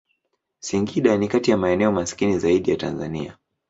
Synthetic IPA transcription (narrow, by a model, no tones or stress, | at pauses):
siŋɡiɗanikatijamaɛnɛɔmasi̥kinizaiɗijata̰nza̰nḭa̰